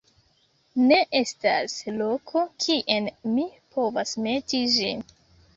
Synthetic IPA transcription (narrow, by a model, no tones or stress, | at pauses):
ne̞ʔe̞sta̰slo̞kʰokʰiʔe̞nmipʰo̞vasme̞tid͡ʒḭn